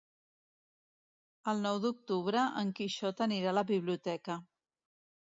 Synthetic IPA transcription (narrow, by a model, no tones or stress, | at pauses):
əlˠnɔwd̪uk̚t̪uβ̞ɾəʔəŋkiʃɔt̪əniɾaləβiβliut̪ɛkə